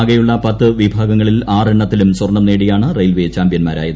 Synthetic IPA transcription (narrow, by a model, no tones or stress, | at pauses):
ɡɐjuɭːɐpɐt̪ːɨʋibʱaːɡɐŋːɐɭilaːreɳːɐt̪ːilumswɐrɳɐmneːɽijaːɳɨrejlʋet͡ɕaːmpjɐnma̰ːɾa̰ːjɐðɨ